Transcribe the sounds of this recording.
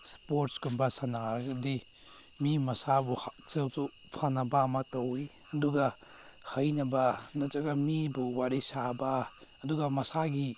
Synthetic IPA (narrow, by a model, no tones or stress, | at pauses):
spoɾtsɡunbɐsanaɾɐɡɐdi | mimɐsabuht͡ʃelzu | pʰanɐbaːmɐtɐwi | ɐduɡɐ | hɐjnɐbɐnɐt͡ʃɐɡɐmibuwaɾisabɐːduɡɐmɐsaɡi